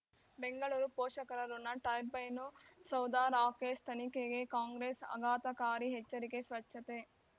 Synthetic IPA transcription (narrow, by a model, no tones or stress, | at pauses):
beŋɡɐɭuːɾupoːʃɐkɐɾɐɾunːɐʈɐjbɐjnusɐwd̪aːɾaːkeːst̪ʰɐnikeɡekaːŋɡɾesɐ̰ɡaːt̪ɐkaːɾiɦet͡ʃːɐɾikesʋɐt͡ʃʃːɐt̪e